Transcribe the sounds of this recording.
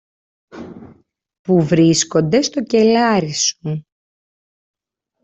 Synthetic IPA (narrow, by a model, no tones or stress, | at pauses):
puvɾisko̞nd̪e̞st̪o̞ce̞lɐɾisu